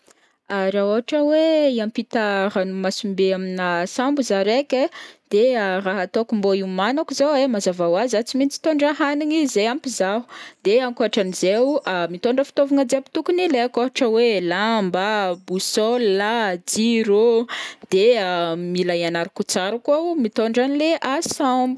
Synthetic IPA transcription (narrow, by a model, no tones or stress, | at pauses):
aɾaoɦaʈ͡ʂəweiampit̪aranumasumbeaminasambuzaɾekʲed̪̥eraɦat̪okumboiwmanakuzoemazavawazat͡simint͡si̥t̪oɳɖ͡ʐaɦaniŋizejampizaɦu̥d̪̥eaŋkoaʈ͡ʂanizewmit̪oɳɖ͡ʐəfi̥t̪ovuŋad͡zeapi̥t̪ukunileakoɦaʈ͡ʂəwelambabusɔlːad͡ziɾod̪̥eamilajanaɾikut͡saɾakamit̪oɳɖ͡ʐanileʔasambu̥